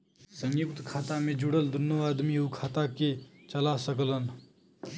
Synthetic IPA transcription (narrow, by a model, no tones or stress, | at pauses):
sə̃ŋjukt̪kʰaːt̪amẽd͡ʒuɽəld̪ʱʊnjəʋaːd̪miɦukʰaːt̪aket͡ʃəlasəklən